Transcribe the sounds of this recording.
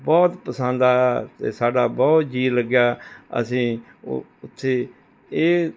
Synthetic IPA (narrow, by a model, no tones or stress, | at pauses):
bɔːt̪pəsə̃nd̪aːt̪ḛːsaːɖaːbɔːt̪d͡ʒiːləɡjaːə̰sĩː | ʊt̪ʰːeː | eː